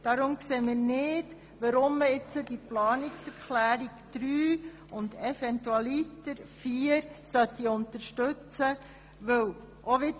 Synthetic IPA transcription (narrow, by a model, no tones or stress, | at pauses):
d̥ɑɾʊmkseːmiːnɪd | ʋəɾʊmːəɪt͡sədiplɑːniksɛɾkχlæːɾiɡd̥ɾyː | ʊndɛfɛntuɑlitəɾfiːəɾsœt̪ːiʊntəɾʃtɵt͡sə | ʋɵw | ʔoʋɪt